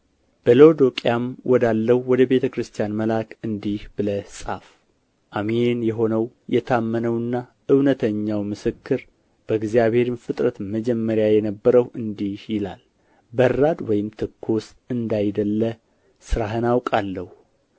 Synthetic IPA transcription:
b̥əlowd̪o̞kʼijamwʔɔd̪alːəhwɔd̪əbe̞t̪ʰəkɾɨst̪ʰijanməlakʰɨnd̪ihb̥ɨləsʼaf | ʔameenjɛɦo̞nəw | jɛt̪ʰamːənəwɨnːa | ɨwnət̪ʰəɲːawmɨsɨkːɨɾ | b̥əɡzijaβhe̞ɾɨnfɨt̪ʼɾət̪məd͡ʒɛmːəɾjajɛnəbːəɾəwɨnd̪ihjɪlal | bərːad̪wɔjɪmt̪ʰɨkʰːo̞s | ɨnd̪ajd̪əlːə | sɨɾaɦɨnawkʼalːəhu

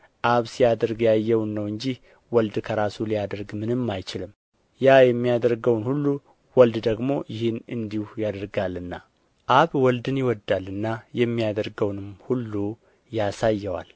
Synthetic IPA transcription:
ʔaβsijad̪əɾɡjajːɛwnːəwɨɲd͡ʒih | wɔld̪kʰəɾasulijad̪əɾɡmɨnɨmːajt͡ʃɪlɨm | jajɛmːijad̪əɾɡəwnhulːu | wɔld̪d̪əɡmo̞jɪhɨnɨnd̪ihujad̪əɾɡalːɨnːa | ʔaβwɔld̪ɨnjɪwɔd̪ːalːɨnːajɛmːijad̪əɾɡəwnɨmhulːu | jasajːɛwa̰l

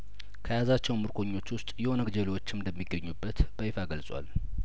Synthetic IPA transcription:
kʰəjazat͡ʃːɛwmɨɾkʰo̞ɲːo̞t͡ʃːwʊst̪ʼjɛhonəɡd͡ʒəlewo̞t͡ʃːɪmd̪əmːiɡːəɲːubːət̪b̥əjfaɡəlsʼwa̰l

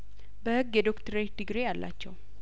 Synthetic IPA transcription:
bəhɨɡjɛd̪okt̪ʰəɾed̪ɨɡɾejalːa̰t͡ʃːɛw

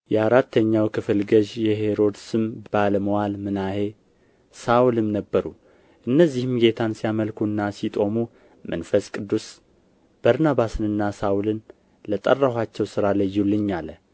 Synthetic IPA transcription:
jɛaɾat̪ːəɲːawkʰɨfɨlɡəʒjɛɦe̞ɾo̞d̪sɨmb̥aləməwalmɨnahe̞ | sawulɨmnəbːəɾu | ʔɨnːəzːihɨmɡe̞t̪ʰansijaməlkunːasit̪ʼo̞mu | mə̰nfəskʼɨd̪ːus | b̥əɾnaβasɨnɨnːasaulɨn | lət̪ʼərːahʷat͡ʃːɛwsɨɾaləjːulːɨɲːalːə

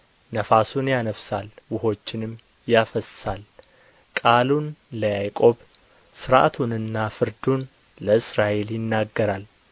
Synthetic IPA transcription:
nəfasunjanəfsalwʊho̞t͡ʃːɪnɨmː | jafəsːal | kʼalunləjajkʼo̞b | sɨɾʔa̰t̪ʰunɨnːafɨɾd̪un | ləɨsɾaʔe̞ljɪnːaɡːəɾal

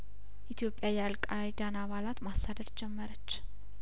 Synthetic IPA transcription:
ʔit̪ʰjo̞pʼjajalkʼajd̪anaβalat̪masːad̪əɾd͡ʒɛmːəɾət͡ʃː

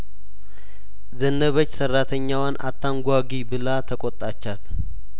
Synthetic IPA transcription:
zənːəβət͡ʃːsərːat̪ʰəɲːawanʔa̰t̪ʰːaŋɡʷaɡibɨlat̪ʰəkʼɔt̪ʼːat͡ʃːat̪

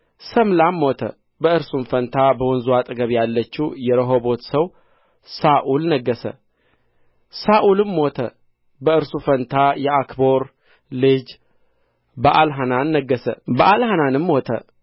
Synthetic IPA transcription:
səmlamːot̪ʰə̰ | bəɨɾsunfənt̪ʰabəwɔnzuat̪ʼɨɡəβjalːət͡ʃːuwjɛɾəɦobo̞t̪səw | saʔulnəɡːəsə̰ | saʔulɨmːot̪ʰə̰ | bəɨɾsufənt̪ʰajɛakboɾ | lɨd͡ʒ | bəʔalɦananːəɡːəsə̰bəʔalhananɨmːot̪ʰə̰

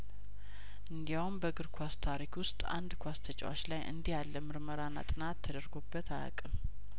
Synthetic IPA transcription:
ʔɨnd̪ijawmbəɡɨɾkʷʰast̪ʰaɾikwʊst̪ʼa̰nd̪kʰʷwast̪ʰət͡ʃʼa̰wa̰t͡ʃlajʔɨ̰nd̪ihalːəmɨɾməɾanːa̰t̪ʼɨnat̪ʰːəd̪əɾɡobːət̪ʰaja̰kʼɨm

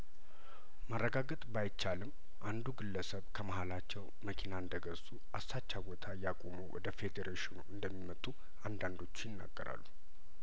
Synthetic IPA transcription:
marːəɡaɡət̪ʼbajt͡ʃːalɨm | ʔand̪uɡɨlːəsəβkʰəməhalat͡ʃːɛw | məkʰinaɨnd̪əɡəsuʔasat͡ʃːabo̞t̪ʰajakʼomuwɔ̰d̪əfe̞d̪eɾeʃɪnuʔɨnd̪əmːimət̪ʼːu | and̪and̪o̞t͡ʃːjɪnːa̰ɡːəɾa̰lːu

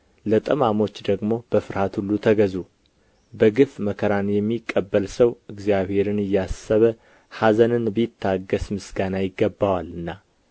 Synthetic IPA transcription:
lət̪ʼəmamo̞t͡ʃːd̪əɡmo̞b̥əfɨɾhat̪hulːut̪ʰəɡəzu | bəɡɨfməkʰəɾanjɛmːikʼːəbːəlsəwɨɡzjaβhe̞ɾɨnɨjːasːəβə | hazənɨnbəjɪt̪ʰːaɡəsmɨsɡanajɪɡːəbːawalːɨnːa

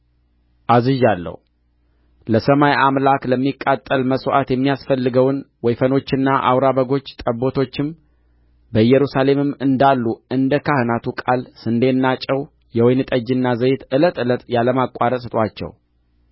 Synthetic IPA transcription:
ʔazɨʒalːə̰h | ləsəmajʔamlakləmːikʼːat̪ʼːəlməsoʔat̪jɛmːijasfəlːɨɡəwnwɔjfəno̞t͡ʃːɨnːaʔa̰wɾaβəɡo̞t͡ʃːt̪ʼəbo̞t̪ʰo̞t͡ʃːɪm | bəjɛɾusale̞mɨmːɨnd̪alːuɨnd̪əkahɨnat̪ʰukʼalsɨnd̪e̞nːat͡ʃʼɛw | jɛwɔjnɨt̪ʼəd͡ʒɪnːazəjɪt̪ɨlət̪ɨlət̪jaləmakʼaɾəsɨt̪ʼwat͡ʃːɛ̰w

